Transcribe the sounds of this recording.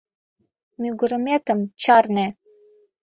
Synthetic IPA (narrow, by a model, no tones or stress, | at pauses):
mʲyɡuɾəmet̪əmt͡ɕɑrne